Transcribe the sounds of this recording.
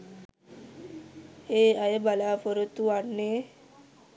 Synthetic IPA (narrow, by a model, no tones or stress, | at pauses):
heajebalafɔɾot̪uaɽne